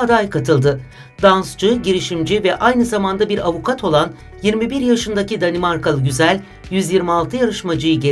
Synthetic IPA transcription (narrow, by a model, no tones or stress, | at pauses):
ad̪ajkʰat̪ʰɯlˠd̪ɯ | d̪anst͡ʃɯɟiɾiʃimd͡ʒivɛʔajnɯzamand̪abiɾavukʰat̪ʰo̞lˠan | jiɾmibiɾjaʃɯnd̪acid̪animaɾkalˠɯɟyzælʲ | jyzjiɾmialˠt̪ʰɯjaɾɯʃmad͡ʒɯjɯɟe